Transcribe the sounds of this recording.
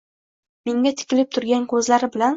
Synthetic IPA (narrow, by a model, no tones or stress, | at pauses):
meŋɡʲat̪ʰɪ̥kʲɪlɪp̚t̪ʰʊɾɡʲankʰɵzlaɾɪbɪlan